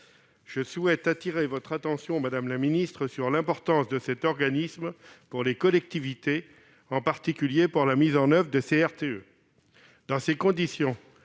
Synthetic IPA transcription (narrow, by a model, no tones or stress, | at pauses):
ʒ̥əswɛt̪at̪iʁevɔt̪χat̪ɑ̃sjɔ̃mad̪amlaminist̪χəsyʁlɛ̃pɔʁt̪ɑ̃sd̪əsɛt̪ɔʁɡanismpuʁlekɔlɛk̚t̪ivit̪e | ɑ̃paʁt̪ikʲyljepuʁlamizɑ̃nœvʁəd̪əseɛʁt̪eø | d̪ɑ̃sekɔ̃d̪isjɔ̃